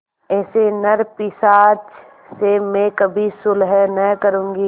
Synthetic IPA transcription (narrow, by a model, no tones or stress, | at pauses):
ɛːsenɐɾpɪsaːt͡ʃ | semẽkɐbʱisʊlɦɛnɛkəɾũːŋɡiː